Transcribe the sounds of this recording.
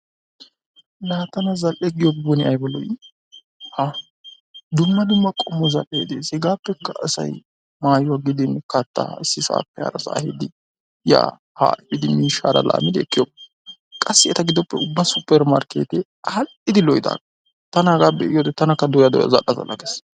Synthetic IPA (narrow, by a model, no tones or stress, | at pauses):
laːt̪ɐnɐzɐlʔɛɡɪjɔɡbʊnɪɐjbɔlɔj | ha | d̪ʊmːɐd̪ʊmːɐkʼɔmːɔzɐ̰lʔḛːd̪eːsɪɡaːpːɛkːɐɐsɐ̰j | maːjʊwaɡɪd̪ɪnkɐt̪ːa̰ɪsːɪsa̰ːpːɛhɐ̰ːɾɐsa̰ːhɪd̪ɪ | ja̰ː | ha̰ːʔɪbɪd̪ɪmiːʃa̰ːɾɐ̰la̰ːmɪd̪ɪɛkːɪjob | kʼɐsːɪɛt̪ɐɡɪd̪ɔpːɛʊbːɐsʊpːɛɾmaɾkḛːt̪ɪ | hɐlʔɪd̪ɪlɔjd̪a̰ːɡɐ | t̪ɐnɐɡabɛɪjoːt̪ɛt̪ːɐnɐkːɐd̪ʊjad̪ʊ̰ja̰zɐ̰lʔːɐzɐ̰lʔːɐ̰ɡes